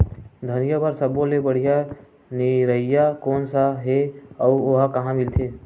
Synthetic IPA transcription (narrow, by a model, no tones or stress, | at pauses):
d̪ʱənijəbəɾsəbõlebəɽ̤ija | niɾəɦɪjakoːnsaɦeəːoɦkəɦãmɪlt̪ʰeː